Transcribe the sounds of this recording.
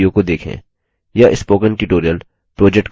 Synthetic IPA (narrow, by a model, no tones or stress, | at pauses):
jõkod̪eːkʰḛ̃ː | jaʔɪspoːkə̃nʈuʈoːɾijəl | pɾoːd͡ʒɛk̚ʈ